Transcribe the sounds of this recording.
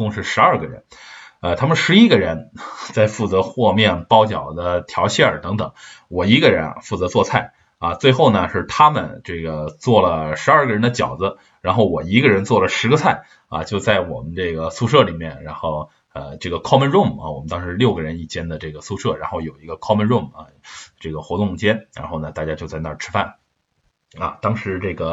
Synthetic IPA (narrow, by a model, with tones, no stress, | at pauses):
ʊ˥˧ŋʂɻ̩˥˩ʂɻ̩˧˥ɐ˞˥˩ɡə˩ɻə̰˧˥nə˧t̪ʰa˥mə˨˧ʂɻ̩˧˥i˥ɡə˨ɻə˧˥nt͡sa˥˧ɪfu˥˩t͡sɤ˧˥xwɔ˥˧mjɛ˥˩npɑ˥ʊt͡ɕjɑ˨˩ʊd̪ə˦t̪ʰjɑ˧˥ʊɕʰɛ˥˩ə˞˨˩t̪ɤ˧˥ŋt̪ɤ˨˩˦ŋwɔ˨˩i˧˥ɡə˧ɻə̰˧˥nfu˥˩t͡sɤ˧˥t͡swɔ˥˧t͡sʰa˥˩ɪ | ɐ˧t͡swe˥˧ɪxo˥˩ʊnə˩ʂɻ̩˥˩t̪ʰa˥mə˨nʈ͡ʂɤ˥˩ɡə˩t͡swɔ˥˩lə˩ʂɻ̩˧˥a˞˥˩ɡə˩ɻə˧˥nd̪ə˧t͡ɕjɑ̰˨˩ʊd͡zə˦ | ɻa˧˥nxo˥˩ʊwɔ˨˩i˧˥ɡə˧ɻə˧˥nt͡swɔ˥˩lə˩ʂɻ̩˧˥ɡə˧t͡sʰa˥˩ɪ | ɐ̰˧t͡ɕjo˥˧ʊt͡sa˥˩ɪwɔ˨˩mə˦nʈ͡ʂɤ˥˩ɡə˩su˥˧ʂɤ˥˩li˨˩mjɛ˥˩nɻa˧˥nxo˥˩ʊ | ə˧ʈ͡ʂɤ˥˩ɡə˩kʰɑ˥mə˧nɻʊ˥˩mɐ̰˧˩wɔ˨˩mə˦nt̪ɑ˥ŋʂɻ̩˧˥ljo˥˩ʊɡə˩ɻə˧˥ni˥˩t͡ɕjɛ˥nd̪ə˨ʈ͡ʂɤ˥˩ɡə˩su˥˧ʂɤ˥˩ɻa˧˥nxo˥˩ʊjo˨˩ʊi˧˥ɡə˧kʰɑ˥mə˧˥nɻʊ˥˩mɐ˧˩ʈ͡ʂɤ˥˩ɡə˩xwɔ˧˥t̪ʊ˥˧t͡ɕjɛ˥nɻa̰˧˥nxo˥˩ʊnə˩t̪a˥˩t͡ɕja˥t͡ɕjo˥˧ʊt͡sa˥˧ɪna˥˩ʈ͡ʂʰɻ̩˥fa˥˩n | ɐ̰˧t̪ɑ˥ŋʂɻ̩˧˥ʈ͡ʂɤ˥˩ɡə˩